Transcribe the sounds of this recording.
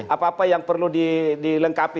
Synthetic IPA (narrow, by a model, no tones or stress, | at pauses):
ʔapaːpajaŋpərludidiləŋkapi